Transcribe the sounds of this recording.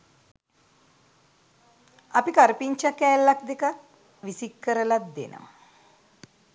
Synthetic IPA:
apikaɾəpiɲt͡ʃakɛːlːak̚d̪ekak̚ | ʋisikːəɾəlat̪̚d̪ḛnʔə̰ʋa̰

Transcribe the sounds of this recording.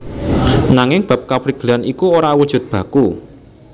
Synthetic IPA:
naŋɪŋb̥a̤p̚kapɾiɡ̥əlanikuoɾawud̥ʒ̥ʊ̤t̪̚b̥ä̤ku

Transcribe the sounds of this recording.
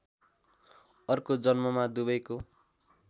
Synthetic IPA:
ʌrkod͡zʌnmʌmad̪ubʌjko

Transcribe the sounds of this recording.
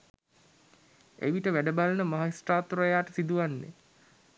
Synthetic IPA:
ḛʋiʈəʋæɖəbalənəmaɦaisʈaːt̪uɾəjaːʈəsid̪uʋanːḛ

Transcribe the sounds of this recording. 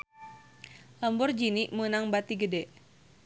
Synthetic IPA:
ləmbɔrd͡ʒiniʔmənaŋbat̪iɡədɛʔ

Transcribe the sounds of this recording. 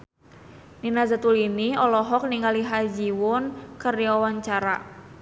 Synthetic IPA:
ninazat̪uliniɔlɔɦɔk̚niŋaliɦad͡ʒiwʊnkəriɔwaɲt͡ʃaɾa̰

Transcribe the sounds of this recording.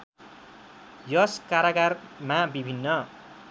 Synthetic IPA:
jʌskaɾaɡarmabibʱinːʌ

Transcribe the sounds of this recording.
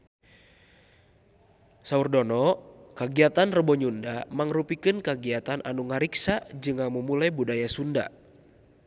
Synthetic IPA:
saurdɔnɔkaɡiat̪anrəbɔɲundamaŋrupikɨnkaɡiat̪anʔa̰nuŋaɾiksad͡ʒɨŋaməmulajbudajasunda̰

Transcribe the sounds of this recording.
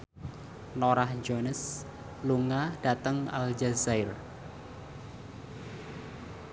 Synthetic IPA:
noɾahd͡ʒonəs | luŋaɖ̥at̪əŋa̰ld͡ʒazaɪr

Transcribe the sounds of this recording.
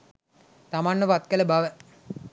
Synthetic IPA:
t̪amaːnːəpat̪̚kələbaʋə

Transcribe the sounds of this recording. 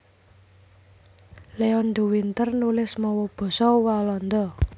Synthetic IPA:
leɔnɖ̪uwint̪ərnulɪsmɔwɔb̥ɔ̤sɔwalɔnd̪ɔ

